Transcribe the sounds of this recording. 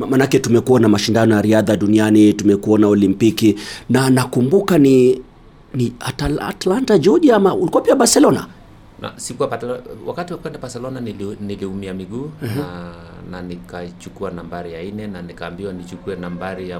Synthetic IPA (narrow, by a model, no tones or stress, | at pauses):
manakɛtumɛkuwanamaʃindanɔjaɾiaðaɗunianitumɛkuanaɔlimpikinanakumbukani | niataa̰tlantad͡ʒɔʄiamaulikuwapiabaɾsɛlɔna̰ | na̰sikuaawa̰katiwakwɛndabaɾsɛlɔnaniniliumiamiɡuː | nanikait͡ʃukuanambaɾijainɛnanikaːmbiwanit͡ʃukuɛnambaɾija